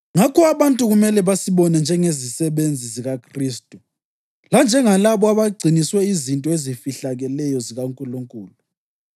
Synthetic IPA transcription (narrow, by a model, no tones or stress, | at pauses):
ŋakʰɔaβantʼuɣumɛlɛβasiβɔnɛnd͡ʒʱɛŋezisɛβend͡zʱiziɣakʰriːstʼu | land͡ʒʱɛŋalaβɔaβaɡ͡ǀʱiniswɛizintʼɔezifiɬaɣɛlɛjɔziɣaŋkʼuluŋkʼuːlu